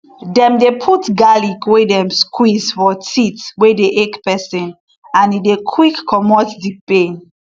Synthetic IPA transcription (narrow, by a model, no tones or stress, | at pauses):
dɛ̃mdepʰutɡalikwedɛ̃mskʰwizfɔtʰitwedeʔekpɛsĩn | ãnidekʰwikːɔmɔtdipẽn